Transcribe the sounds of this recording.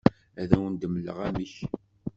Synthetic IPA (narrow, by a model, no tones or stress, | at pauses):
æðæwənd̪əmlə̰ʁæmiç